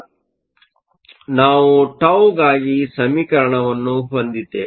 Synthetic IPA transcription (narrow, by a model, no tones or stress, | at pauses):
naːʋuʈɐwɡaːɡisɐmikɐɾɐɳɐʋɐnːuɦɐnd̪it̪e